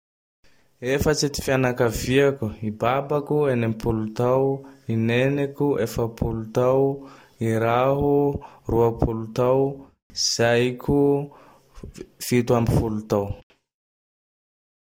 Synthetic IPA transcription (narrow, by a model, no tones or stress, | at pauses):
efət͡sit̪i̥fianakaviakuibabakuenemipʰulut̪awinenekʲuʔefəpʰulut̪aw | iɾaɦuruapʰulut̪aw | iz̥ajkʲu | fit̪uambifulut̪aw